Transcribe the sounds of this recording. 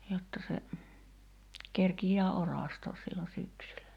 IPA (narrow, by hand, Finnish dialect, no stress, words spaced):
jotːɑ se kerkijˑæː orɑˑstoːs silːo syksylæ